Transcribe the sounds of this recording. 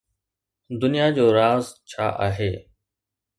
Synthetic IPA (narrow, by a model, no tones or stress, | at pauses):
d̪ʊnijad͡ʑoːɾaːzt͡ɕʰa̰ːʔaːɦeː